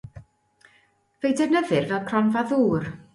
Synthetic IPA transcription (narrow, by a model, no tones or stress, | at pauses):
vejdɛnəðɨrvɛlˠkʰrɔnvaðuːr